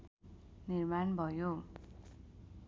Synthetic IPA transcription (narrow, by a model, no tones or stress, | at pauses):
nirmanbʱʌjo